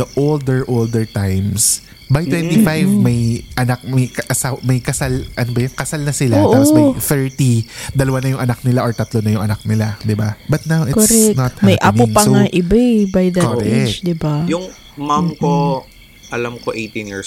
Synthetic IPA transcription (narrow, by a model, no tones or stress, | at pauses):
d̪ɐʔold̪ɛɹʔold̪ɛɹt̪ajms | bajt̪wɛ̃ntt̪ifajvmɐjʔɐnak̚mɐjkɐʔɐsawmɐjkɐsalʔɐnobɐjʊŋkɐsalnɐsɪlaoːʔaoɐfɛɹt̪id̪ɐlɐwanɐjʊŋʔɐnak̚nɪlaʔoɹt̪ɐt̪lonɐjʊŋʔɐnak̚nɪlad̪ɪbabɐt̪̚nawɪkɾɛnɐt̪hmmɐjʔapopɐŋaʔɪbɛbajd̪ɐkoɾɛd̪ɪbajʊŋ | mamko | ʔɐlamkoʔejt̪ĩnjḭɹs